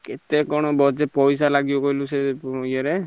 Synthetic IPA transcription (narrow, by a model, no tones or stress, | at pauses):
ket̪ekːɔɽ̃ɔbɔd͡ʒepɔjs̬alaɡibɔkɔɦiluseojaɾe